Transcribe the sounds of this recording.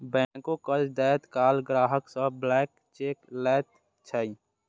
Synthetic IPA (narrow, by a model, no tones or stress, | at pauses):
bɛ̃kokəd͡ʒd̪ɛːt̪kaːlɡɾaːɦəksəblɛːk | t͡ʃeːklɛːt̪̚ | t͡ʃʰəi